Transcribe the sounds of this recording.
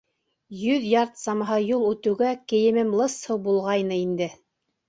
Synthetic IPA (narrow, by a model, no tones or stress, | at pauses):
jɵðjɑɾt̪sɑmɑɦɤjulˠʉt̪ɘ̆wɡækɘ̆jɘ̆mɘmlˠɤshɤwbulˠʁɑjnɤind̪ɘ